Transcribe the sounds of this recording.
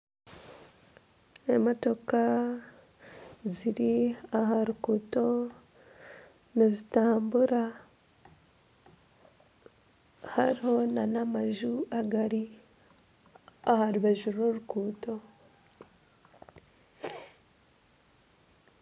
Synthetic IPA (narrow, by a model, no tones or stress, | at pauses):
emoto̞ka | ziɾiaɦaɾukuːto̞ | nezitaːmbuɾa | haɾiho̞nanamaʒuaɡaɾi | ahaɾuβeʒuɾoɾukuːto̞